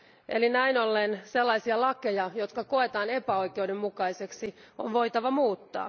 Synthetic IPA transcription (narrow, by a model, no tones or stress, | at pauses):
ʔelinæinolːenselːɑisiɑlɑkejɑjot̪̚kɑko̞e̞t̪ɑːne̞pæo̞ikeudemːukɑise̞ksionʋo̞it̪ɑʋɑmuːt̪ːɑ̰ː